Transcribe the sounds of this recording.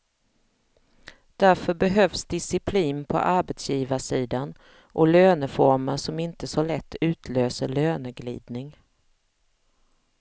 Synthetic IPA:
d̪̥æɾfœɾbɛɦœvsd̪ɪsɪpʰliːnpʰɔ̰ʔaɾbɛt̪sjiːvaʂiːd̪an | ʔɔløːnəfɔɾmaʂɔmɪnt̪əsɔlɛt̪ːʉ̟ːt̪ʰløːsəɭøːnəɡlḭːd̪nɪŋ

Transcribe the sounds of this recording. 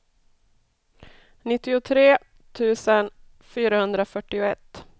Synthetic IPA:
nɪt̪ːɪʊt̪ʰɾeː | t̪ʰʉ̟ːsən | fyːɾahɵnd̪ɾafœʈːɪʊɛt̪ː

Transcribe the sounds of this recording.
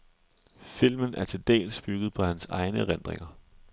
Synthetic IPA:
fil̰mənʔæɐt͡sʰe̝ld̥ɛ̰ːlsb̥yɡ̥ð̩ˠpʰɒ̽hænsɑ̈ɪnəʁend̥ʁḛŋɐ

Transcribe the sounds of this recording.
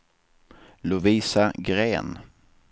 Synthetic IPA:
lʊviːsaɡɾeːn

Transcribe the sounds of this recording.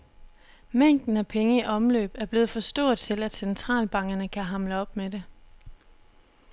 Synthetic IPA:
meŋ̰d̥n̩æpʰeŋəiʔɒ̽mlø̰ːb̥æɐb̥le̝ːð̩ˠfɒ̽sd̥ɔ̰ːɐ̰ðˠt͡sʰe̝læd̥sent͡sʰʁɑ̰̈ːlb̥ɑ̈ŋ̰ɡ̥ɐnəkʰæɦɑ̈mləɒ̽b̥mede̝

